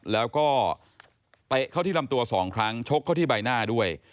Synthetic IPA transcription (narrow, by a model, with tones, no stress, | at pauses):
lɛː˦˥wkɔː˥˩ | t̪e˦˩kʰa˥˩t̪ʰiː˥˩la˧mt̪u˧ɐsɔː˩˦ŋkʰɾa˦˥ŋt͡ɕʰo˦˥kʰa˥˩t̪iː˥˩ba˧jnaː˥˩du˥˩əj